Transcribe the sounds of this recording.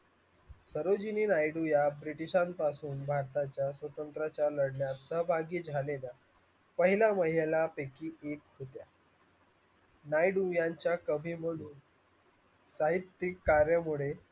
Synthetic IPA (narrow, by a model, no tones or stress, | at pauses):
səɾod͡ʑiniːnajɖujabɾiʈiɕanpasuːnbʱaɾt̪at͡ɕjasʋət̪ənt̪ɾat͡ɕjaləɽɳjat̪səɦbʱaɡiːd͡zʱalela | pəɦilaməɦilelapekiːek̚ɦot̪ja | najɖujaɲt͡ɕjakəʋʱiːm̤əɽuːn | saɦit̪ːikːaɾjəmuɭe